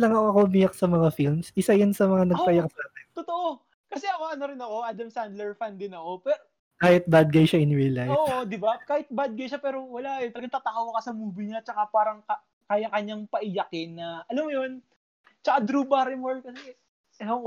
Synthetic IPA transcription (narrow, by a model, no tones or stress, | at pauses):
lɐŋɐɐkomijɐk̚sɐmɐŋafilmsʔɪsajansɐmɐŋanɐɡpɐjaksaɛt̪ot̪oʔo | kɐsɛʔɐkoɐnoɾɪnɐko̞ʔaːd̪ɐmsand̪lɛɹfand̪ɪnɐko̞pɛɾo | kaːhɪt̪̚bad̪̚ɡɐjʃaɪnɹilajoːʔod̪ɪbakaːhɪt̪̚bad̪̚ɡɐjʃapɛːɾo̞wɐlanɐlɐɡɐŋt̪at̪ɐkawɐkɐsɐmuːbɪɲat͡ʃɐkapaːɾɐŋkɐ | kaːjɐkɐɲːaŋpɐʔɪjɐkɪnːɐʔɐlɐmʊjon | t͡ʃɐkad̪ɾuːbaɾɪmɛɹ̚kɐsɛ | o